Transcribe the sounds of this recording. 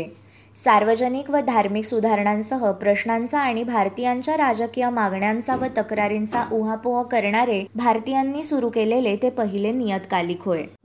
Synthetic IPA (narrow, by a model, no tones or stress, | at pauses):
e | saɾʋəd͡ʑənikʋəd̪ʱaɾmiksud̪ʱaɾɳãnsəɦəpɾəɕɳant͡saːɽ̃ibʱaɾt̪ijaɲt͡ɕjaɾad͡zəkijamaɡɳjant͡saʋət̪əkɾaɾint͡saʔuɦapoɦəkəɾɳaɾebʱaɾt̪ijanːiːsuɾukelelet̪epəɦilenijət̪kaliːkʰɦoe